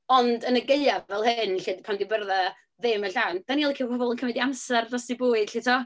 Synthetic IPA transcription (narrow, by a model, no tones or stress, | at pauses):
ɔndənəɡeɨavɛlˠhɨnɬɪdpʰandɪbərða | ðɪməɬawnd̥anilˠikʰiwpʰɔbɔlˠənkʰəmɛdiamsɛrdɔsibuːɨd̥ɬɪtʰɔ